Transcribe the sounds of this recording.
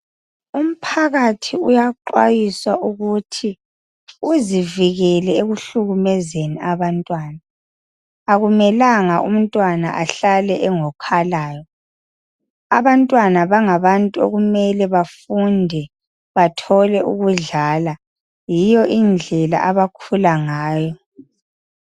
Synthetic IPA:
um̩pʰaɣatʰiujaǃwa̰jiswaʔuɣutʰi | uziviɣɛlɛeɣuɬuɣumɛzeniaβantʼwaːnaː | ɣumɛlaŋaʔṵm̩tʼwana̰ʔaɬalɛʔɛŋɔkʰalaːjɔ | aβantʼwanaβaŋaβantʼuo̰ɣumɛlɛβafundʱɛ | βatʰɔlɛʔuɣuɮaːla | jijɔʔind͡ɮʱɛla̰ʔaβakʰulaŋaːjɔ

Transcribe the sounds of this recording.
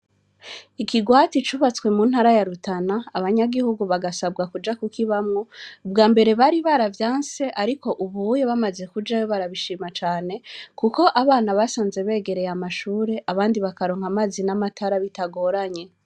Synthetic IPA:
ikiɡwaːtit͡ʃuβat͡swe̞muːn̥haɾajaɾutʰanaːβaɲaɡihuɡuβaɡasabɡakud͡ʒakukʰiβamŋo̞ubɡaːmbe̞ɾe̞βaɾiβaɾavjaːnse̞ʔaɾiko̞ʔuβujeβamaze̞kud͡ʒajoβaɾaβiʃiːmat͡ʃaːne̞kuko̞ʔaβaːnaβasaːnze̞βe̞ːɡe̞ɾe̞jamaʃuːɾe̞ʔaβaːndiβakaɾo̞ːŋ̥hamaːzinamatʰaɾaβitaɡo̞ɾaɲe̞

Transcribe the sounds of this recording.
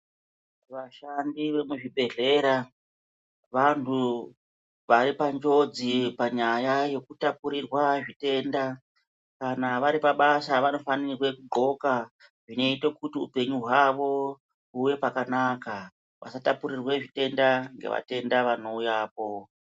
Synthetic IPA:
ʋaʃandiʋe̞muʐibʱe̞ɮe̞ɾa | ʋantʰu | ʋaɾipand͡ʒo̞d͡zipaɲajaje̞kutapuɾirwaʐite̞nda | kanaʋaɾipaɓasaʋano̞fanirwe̞kuɡ͡ǃo̞ka | ʐino̞itokutiṵpe̞ɲuɦwaʋo̞ | uje̞pakanaka | ʋʔa̰satapuɾirwe̞ʐite̞ndaŋɡe̞̰ʋa̰te̞ndaʋano̞ujaːp̚o̞

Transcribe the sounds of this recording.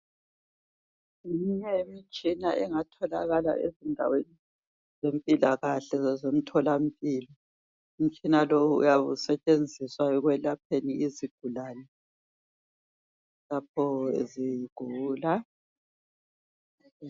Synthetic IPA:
iɲɛmit͡ʃʼinaʔɛŋatʰɔla̰ɣala̰ʔḛzindʱa̰weni | zempʼilaɣaɬɛzom̩tʰɔlam̩pʼiːlɔ | um̩t͡ʃʼinalowṵːjaβusɛt͡ʃʼend͡zʱiswaɛɣwɛlapʰeniiziɡ̥ʱulaːnɛ | lap̚ʰɔziɡ̥ʱuːla

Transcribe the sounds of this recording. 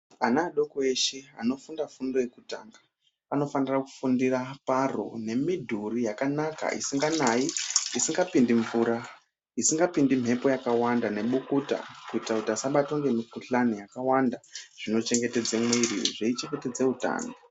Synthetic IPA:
anaːɗo̞koeʃea̰no̞fundafundo̞je̞kuta̰ːŋɡa | ano̞faniraku̥fundiraparo̰ne̞midʱurijakanaka̰ʔḭsiŋɡanaiisiŋɡapindiɱvuːɾa | isiŋɡapindim̤ʱe̞po̞jakawandane̞ɓukuta̰kuitakutasaɓato̞ŋɡe̞mikuɬanijakawandaʐ̥ino̞t͡ʃe̞ŋɡe̞te̞d͡zemwirḭʐeit͡ʃe̞ŋɡe̞ted͡ze̞uta̰ːna

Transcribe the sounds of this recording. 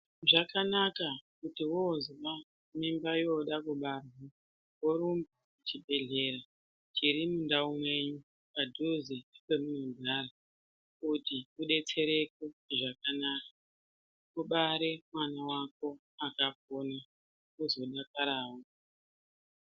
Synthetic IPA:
ʐakanakakutiwozwa | mimbajo̞ɗakuɓarwa | woɾumbu | t͡ʃibʱe̞ɮe̞ɾa | t͡ʃiɾimundaumwe̞ɲu | padʱuziikemunuuɡʱaːɾa | kutiuɗe̞t͡se̞ɾe̞k̚oʐakanakḁ | uɓaɾemwanawako̞ | akak̚ona | uzo̞ɗakaɾaːwo

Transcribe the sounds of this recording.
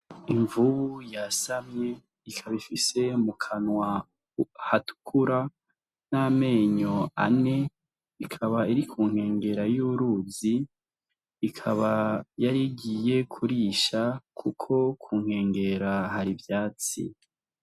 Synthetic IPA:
iɱvuβujasamɲe̞ | ikʰaβifise̞mukʰanwa | hatu̥kʰuɾa | name̞ːɲoa̰ne̞ | ikʰaβaiɾikʰuːŋ̥he̞ːŋɡe̞ɾajuːɾuːziː | kʰaβajaɾiɡiːje̞kʰuɾiːʃakʰukʰo̞kʰuːŋ̥he̞ːŋɡe̞ɾaɦaɾivjaːt͡sḭ

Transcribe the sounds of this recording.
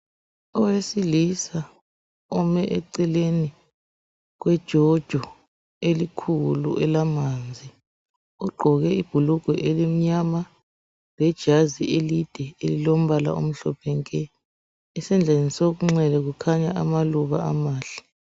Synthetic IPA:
ɔwesilisa | ɔmɛʔɛǀileni | ɣ̬wɛd̥ʒ̥ʱɔd̥ʒ̥ʱɔ | elikʰulṵʔɛlamaːnd͡zʱi | uɡ͡ǃʱɔɣɛib̥ʱuluɡ̥ʱɔʔelim̩ɲama | lɛd̥ʒ̥ʱazielid̥ʱɛelilom̩βala̰o̰m̩ɬɔpʰɛŋkʼɛ | ɛsɛnd͡ɮʱenisoɣ̬uŋ͡ǁɛlɛɣukʰaɲaʔamaluβaa̰maːɬɛ̥

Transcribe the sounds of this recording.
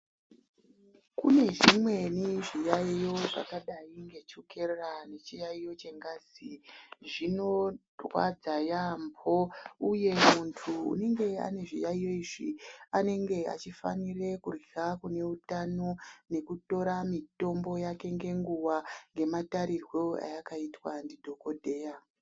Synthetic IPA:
kune̞ʐimwe̞niʐijaijo̞ʐa̰kaɗaiŋɡe̞t͡ʃoke̞rane̞t͡ʃijaijo̞t͡ʃe̞ŋɡaːziʐino̞ | rwa̰d͡zajambʰouje̞muntʰuṵne̞ŋɡe̞a̰ne̞ʐijaijo̞iːʐiane̞ŋɡe̞a̰t͡ʃifa̰nire̞kuriakune̞utano̞ne̞kuto̞ɾamito̞mbo̞jake̞ŋɡe̞ŋɡuwaŋɡe̞mataɾirwo̞a̰jakaitwandidʱo̞ko̞dʱe̞ːja

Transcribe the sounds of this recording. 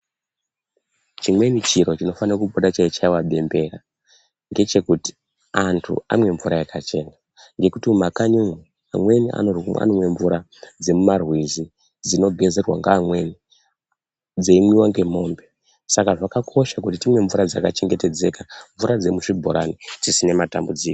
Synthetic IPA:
t͡ʃimwe̞nit͡ʃiɾo̞t͡ʃino̞faniroakuɓoɗat͡ʃait͡ʃaiwaɓe̞mbe̞ra | ŋɡe̞t͡ʃe̞kuti̥ | antʰṵa̰mwe̞ɱvuɾajekʰat͡ʃe̞na | ŋɡe̞kutimmakaɲuŋwi | amwe̞niʔa̰nora̰nomwe̞ɱvuɾa | d͡ze̞mumarwizi | d͡zino̞ɡʱe̞ze̞rwa̰ŋɡaːmwe̞ni | d͡zeimwiwaŋɡe̞mo̞ːmbe̞ | sakaʐakakʰo̞ʃakutitimwe̞ɱvuɾad͡zakat͡ʃe̞ŋɡe̞te̞d͡ze̞kaɱvuɾad͡ze̞muʂibʱo̞̰ɾanit͡sisine̞matambud͡ziːko

